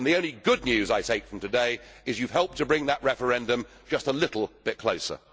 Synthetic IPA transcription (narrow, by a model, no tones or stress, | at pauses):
nðiõʊ̃nliɡʊdⁿnjʉzaɪtʰeɪkfɹʌ̃m̩tɨdeɪɨzjʉv̥ɦɛlˠp̚tʰɨbɹɪ̃ŋðəʔ̚ɹɛfə˞ɛ̃ndɨ̃m | d͡ʒʌstəlɪɾl̩ˠb̥ɪt̚kʰl̥oʊsə̰˞